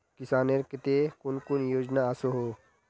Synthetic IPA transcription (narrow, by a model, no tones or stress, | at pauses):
kisaːneɾket̪ekunkunjoːd͡ʒnaasoɦoː